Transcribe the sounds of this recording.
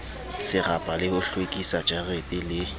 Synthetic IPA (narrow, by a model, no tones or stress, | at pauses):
sɪrapʼalɪhʊɬwekʼisad͡ʒʼarepʼɪlɪ